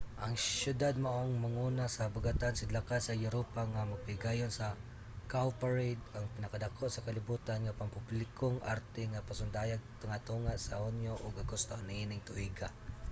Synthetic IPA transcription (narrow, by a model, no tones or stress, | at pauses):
ʔɐŋsjʊd̪ad̪̚maʔoŋmaŋunasɐbʊɡat̪ansɪd̪lakasɐjʊɾopaŋamaɡ̚pɪɡajonsɐ | kawpaɹejd̪aŋpɪnɐkad̪akʰoʔsɐkalɪbuːt̪anŋapampʊblɪkoŋaɾt̪ɛŋapasʊnd̪aːjaɡ̚t̪ʊŋat̪uŋaʔsahʊnjoʔʊɡaɡʊst̪oaniinɪŋt̪ʊʔiɡa